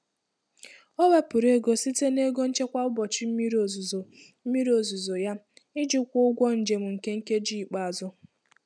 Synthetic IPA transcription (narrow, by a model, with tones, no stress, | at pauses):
ɔ˦we˦pʊ˨ɾe˦ɡo˦si˦te˦ne˦ɡo˦n̩˦t͡ʃe˦kʷa˦ʊ˦bɔ˨t͡ʃi˦m̩˦mi˦ɾo˨zzo˨ | m̩˦mi˦ɾo˨zu˨zo˨ja˦ | ɪ˦d͡ʒi˦kʷʊ˦ʊ˦ɡʷɔ˦n̩˨d͡ʒe˨m̩˨ŋ̩˨ke˦ŋ̩˦ke˦d͡ʒi˦i˨k͡pa˨a˨zʊ˦